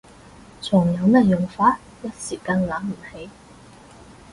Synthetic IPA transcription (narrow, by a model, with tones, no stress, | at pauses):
t͡sʰʊ˨˩ŋjɐ˨˧wmɐ˥jʊ˨˩ŋfaː˧˥t̚jɐ˥t̚siː˨˩kɐ˧ŋlaː˨˥m̩˨˩he˨˥j